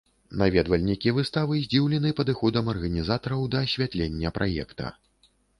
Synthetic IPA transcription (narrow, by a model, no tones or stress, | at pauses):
navʲɛd̪vɐlʲnʲikʲivɨst̪avɨzʲd͡zʲiwlʲɛnɨpɐd̪ɨxɔd̪ɐmɐrɣɐnʲizat̪ɐɾɐwd̪ɐːsʲvʲat̪lʲenʲːɐpɾʔajɛ̰kt̪ɐ̰